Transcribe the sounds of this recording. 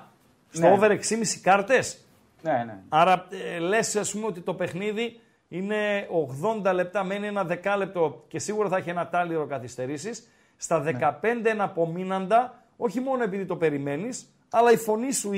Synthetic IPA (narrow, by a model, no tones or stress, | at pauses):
soove̞ɾe̞ksimisi̥kɐɾt̪e̞s | ɐɾɐle̞sɐspume̞o̞t̪it̪o̞pe̞xniði | ine̞o̞ɣðo̞nd̪ɐle̞p̚t̪ɐme̞nie̞nɐðe̞kɐle̞p̚t̪o̞ce̞siɣuɾɐθɐiçienɐt̪ɐliɾo̞kɐθist̪e̞ɾisisː | t̪ɐðe̞kɐpe̞nd̪eenɐpo̞minɐnd̪ɐ | o̞çimo̞no̞e̞piðit̪o̞pe̞ɾime̞nis | ɐlɐifo̞nisu